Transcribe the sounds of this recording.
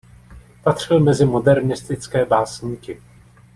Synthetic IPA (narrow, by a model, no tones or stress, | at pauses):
pat̪r̝̥ɪlmɛzɪmodɛɾnɪst̪ɪt͡skɛːbaːsɲiːkɪ